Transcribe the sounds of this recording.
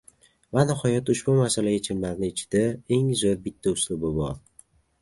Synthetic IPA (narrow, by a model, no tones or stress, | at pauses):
vanɪhɒjat̪ʊʃbʊmasalaat͡ʃʰɪmlaɾnɪːt͡ʃʰɪ̥d̪ae̞ŋzoɾbɪt̪ʰːaʊslʊbɪbɒɾ